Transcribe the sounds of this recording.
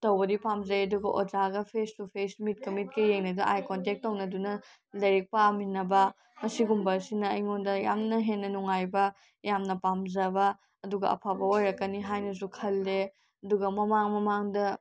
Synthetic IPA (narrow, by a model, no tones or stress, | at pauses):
tɐwbɐdipamzɐjɐduɡɐʔod͡ʒaɡɐpʰestupʰesmit̚kɐmit̚kɐjeŋnɐdɐʔajkont̬ek̚tːɐwnɐdunɐ | lɐɾik̚paminːɐbɐ | mɐsiɡumbɐɾsinɐɐjŋondɐja̰mnɐɦenːɐnuŋajbɐ | jamnɐpamzɐbɐː | duɡɐɐ̰pʰabɐojɾɐkːɐniɦajnɐs̬ukʰɐlːe | ɐduɡɐmɐmaŋmɐmaŋdɐ